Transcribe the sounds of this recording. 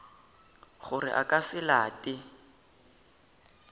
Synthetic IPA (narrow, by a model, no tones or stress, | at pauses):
χʊrɪ̰ʔakasɪlaːtʼɪ